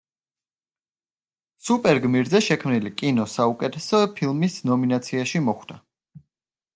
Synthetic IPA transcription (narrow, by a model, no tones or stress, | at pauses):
supʼɛɾɡmiɾzɛʃɛkʰmnilikʼinɔsaukʼɛt̪ʰɛsɔpʰilˠmisnɔminat̪sʰiaʃimɔχwd̪a